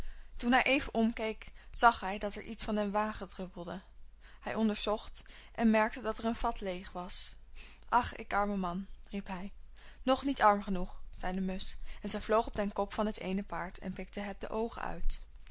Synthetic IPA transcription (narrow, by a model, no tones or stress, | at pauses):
tunɦɛjʔejvənʔɔmkejkz̥ɑχɦɛjdɑtɛɹʔitsfɑnənʋaːχədrøpəl̩ˠdəhɛjʔɔndəɹzɔχtʔɛnmɛɹk̚tədɑtɛɹənv̥ɑtlejχʋɑs | ʔɑχɪ̰kɑɹməmɑnripɦɛj | nɔχnitɑɹmχənuχz̥ɛjdəmɵsɛnzɛjvlowχɔb̚dɛnkɔpfɑnɦətejnəpaːɹtʰɛ̰npɪk̚təɦɛt̚də̰ʔowχə̰œ̰ɥt